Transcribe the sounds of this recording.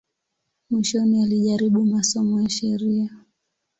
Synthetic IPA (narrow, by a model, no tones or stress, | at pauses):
miʃɔnialiʄaɾiɓumasɔmɔjaʃɛɾia